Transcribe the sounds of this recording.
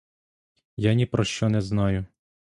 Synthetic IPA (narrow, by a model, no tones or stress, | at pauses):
janʲipɾɔʃt͡ʃɔnɛznɑjʊ